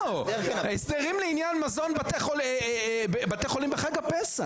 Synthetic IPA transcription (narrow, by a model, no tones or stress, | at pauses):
esd̪eʁimleinjanmazo̞nbat̪eχolbbat̪eχolimbeχaɡapesa